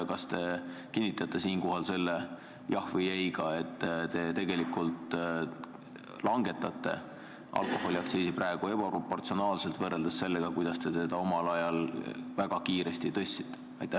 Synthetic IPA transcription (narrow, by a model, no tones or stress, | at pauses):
kɑst̪e̞kinʲːit̪ˑɑt̪ːˑe̞siːnko̞ɦɑlse̞lːe | jɑhvɤjejɡɑe̞t̪ːt̪e̞t̪e̞ɡ̥e̞likːult̪ | lɑŋɡe̞t̪ːˑɑt̪ˑːe̞̰ | ʔɑ̰lkˑo̞ho̞lʲiɑkt̪siːsipræe̞ɡ̥ue̞b̥ɑpropo̞rt̪sio̞nɑːlselt̪vɤrːeld̪̥ɑsse̞lːeɡ̥ɑkujd̪̥ɑst̪e̞t̪e̞d̪̥ɑo̞mɑlɑjɑlvæɡ̥ɑkiːɾest̪it̪ɤsʲːi̥t̪ːˑe̥ɑjt̪ːˑæ